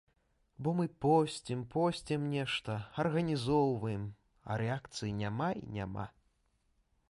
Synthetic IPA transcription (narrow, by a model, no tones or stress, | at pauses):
bɔmɨpɔsʲt͡sʲɛmpɔsʲt͡sʲɛmnʲɛʂt̪ɐɐrɣɐnʲizɔwvɐjɛm | ɐ̰ɾɛakt̪sɨjinʲamaḭnʲa̰ma̰